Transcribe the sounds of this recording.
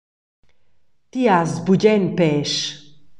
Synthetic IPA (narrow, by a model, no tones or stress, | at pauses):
t̪iazbuɟɛnpɛʃ